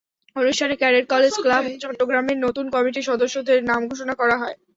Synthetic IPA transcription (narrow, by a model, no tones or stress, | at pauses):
onuʃʈʰanekɛɾeɾkɔled͡ʑklabt͡ɕɔʈːoɡɾameɾnot̪unkɔmiʈiʃɔd̪oʃːod̪eɾnamɡʱoʃonakɔɾaɦɔe